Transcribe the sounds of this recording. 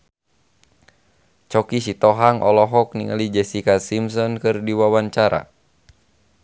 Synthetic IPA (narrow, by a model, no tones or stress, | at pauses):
t͡ʃɔkisit̪ɔɦaŋʔɔlɔɦɔk̚niŋa̰lid͡ʒɛsikasims̬ɔnkɨrdiwawaɲt͡ʃaɾa̰